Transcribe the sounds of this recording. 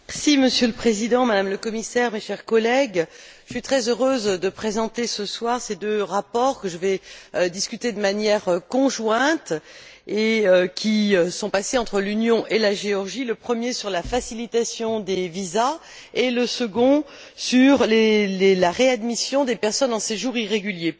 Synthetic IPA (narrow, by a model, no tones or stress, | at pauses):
ɛsiməsjøləpχezid̪ɑ̃mad̪amləkɔmisɛʁmeʃɛʁkɔlɛɡʒəsɥit̪χɛzøʁøzd̪əpχezɑ̃t̪esəswaʁsed̪øʁapɔʁkəʒəvɛd̪iskʲyt̪ed̪əmanjɛʁkɔ̃ʒwɛ̃t̪eøkʲiøsɔ̃paseɑ̃t̪χəlynjɔ̃ʔelaʒeɔʁʒiləpχəmjesyʁlafasilit̪asjɔ̃d̪eviza | eləsəɡɔ̃ | syʁlelelaʁead̪misjɔ̃d̪epɛʁsɔnɑ̃seʒuʁiʁeɡʲylje